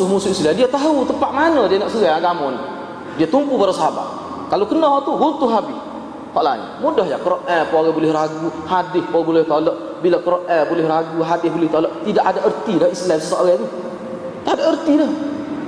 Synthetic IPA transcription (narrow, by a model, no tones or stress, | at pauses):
umusuisladiat̪aɦut̪əpaʔmanədianaʔsəɡaaɡamɔnḭ | diat̪umpubaɾasaba̰ | kalowkənɔɦɔʔt̪uɡunt̪uhɦabɪ | hɔʔla̰ɲa̰mudahja̰kəɾɔʔɛpɔaɣɛbulɪhraɡuhadɪhpabulɪht̪olɔʔ | bilakəɾɔʔʔɛbulɪhraɡuɦadɪhbulɪht̪olɔʔt̪idaʔadaʔərt̪idahislamsəsɔʔɣɛt̪u | taʔadaərt̪idah